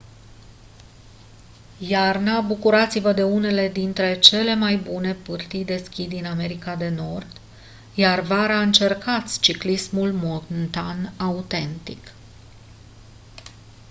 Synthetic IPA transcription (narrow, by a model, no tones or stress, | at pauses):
jarnabukuɾat̪sivəd̪e̞une̞le̞d̪int̪ɾe̞t͡ʃe̞le̞majbune̞pɨrt̪ijd̪e̞skʲid̪iname̞ɾikad̪e̞no̞rd̪ | jarvaɾaɨnt͡ʃe̞rkat̪sʲt͡ʃiklismulmont̪anaut̪e̞nt̪ḭk